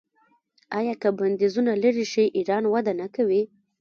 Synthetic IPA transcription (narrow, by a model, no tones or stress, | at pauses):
ɑjɑkəband̪ezunalaɾiʃiʔiɾɑnwad̪anakawi